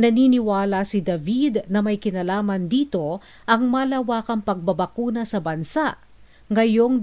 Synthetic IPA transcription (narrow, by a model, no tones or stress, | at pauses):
nɐniːnɪwaːlɐsid̪ɐvid̪nɐmɐjkɪnɐlaːmɐnd̪iːt̪o̞ | ʔɐŋmɐlɐwaːkɐŋpɐɡ̚bɐbɐkuːnɐsɐbɐnsaʔ | ŋɐjo̞ŋ